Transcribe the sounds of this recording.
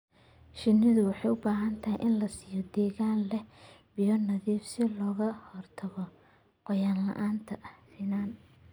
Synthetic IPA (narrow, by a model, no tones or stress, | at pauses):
ʃɪnːɪðʊwɑħɑjʊbaːɦɐnt̪ʰɐɦɛjʔɪnlɐsiːjɔd̪ɛːɣaːnlɛb̥ijɔnɐðiːfsɪlɔːɣɐhɔrt̪ʰɐɣɔ | qɔjaːnlɐ̰ʔaːnt̪ʰɐʔsɪnaːn